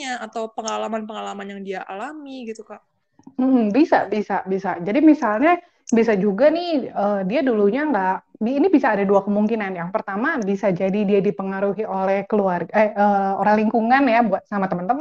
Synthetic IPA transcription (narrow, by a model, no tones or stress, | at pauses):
aat̪awpəŋalamanpəŋalamanjaŋdiaʔalamiɡit̪ukaʔ | m̩m̩bisa̰bisa̰bisad͡ʒadimisalɲa | biasad͡ʒuɡanɪhəːdiaduluɲaŋɡaʔbːnibisaːdaduakəmuŋkinanjaŋpərt̪amabisad͡ʒadidiadipəŋaɾuɦiʔolɛhkəluarɡəəːoɾaŋliŋkuŋanjabuat̪̚samat̪əmənt̪əmə